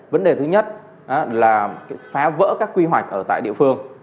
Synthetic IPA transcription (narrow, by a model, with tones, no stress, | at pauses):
və˨˦nɗe˨˩t̪ʰɨ˨˦ɲə˦˥t̚ | ʔa˨˦laː˨˩˨faː˨˦və̰ː˧˥kaː˦˥kːwi˧ɦwa˨˩jk̚ʔəː˧˩t̪a̰ː˧˨jɗḭ˧əfɨ˧əŋ